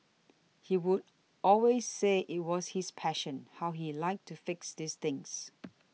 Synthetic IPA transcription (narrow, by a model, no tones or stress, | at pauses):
hiwud | ɔlwezːeʔɪt̚wɔshɪspʰæʃə̃nhaʊɦilaɪk̚tʰufɪksðist̪ɪ̃ŋs